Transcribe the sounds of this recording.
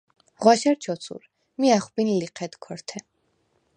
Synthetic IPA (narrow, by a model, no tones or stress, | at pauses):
ʁwaʃɛɾt͡ʃʰɔt̪sʰṵɾ | miaχbinliqʰɛd̪kʰɔɾt̪ʰɛ